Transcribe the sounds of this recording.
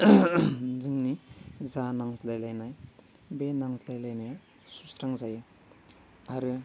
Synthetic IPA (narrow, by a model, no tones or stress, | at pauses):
zɯŋnizanaŋslajlajnaj | benaŋslajlajnaja | susɾaŋzajɯ | aɾɯ